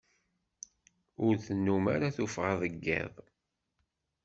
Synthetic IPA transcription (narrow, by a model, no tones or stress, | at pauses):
ʊɾθənːumaɾaθufʁəðˤəɡːḛðˤ